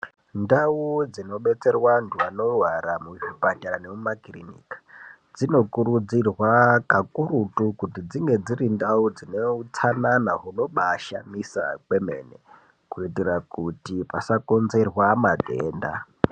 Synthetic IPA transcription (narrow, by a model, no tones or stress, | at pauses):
ndaud͡zino̞ɓe̞t͡se̞rwanduano̞waɾamuʐipataɾanemumakirinḭkḁ | d͡zino̞kuɾud͡zirwakakuɾutukutid͡ziŋɡe̞d͡zirindaud͡zineut͡sananaɦuno̞ɓaʃa̰misa̰kwe̞mḛnḛ | kuitirakutipasako̞nze̞rwamadʱḛːnda̰